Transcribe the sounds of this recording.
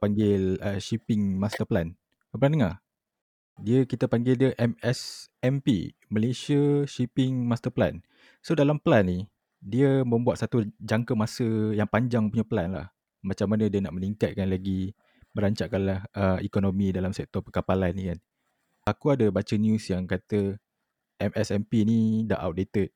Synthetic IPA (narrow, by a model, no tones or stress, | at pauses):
paŋɡɪləʃipɪŋmast̪əplan | əpəlandəŋa | diəkit̪əpaŋɡɪldəʔɛmɛsɛmpḭməlesiəʃipɪŋmast̪əpla̰n | sodalampəlanːi | diəmə̃mbuat̪sat̪ud͡ʒaŋkəmasəjaŋpaɲd͡ʒaŋpuɲaplanla̰h | mat͡ʃamːanədiənaʔməniŋkat̪̚kanlaɡi | məɾaɲt͡ʃaʔkanlahəikonomĩdalamsɛk̚t̪ɔrpəkapalanːikan | akuadəbat͡ʃənjusjaŋkat̪ə | ʔɛmɛsɛmpinida̰ʔa̰wt̚det̪ət̪̚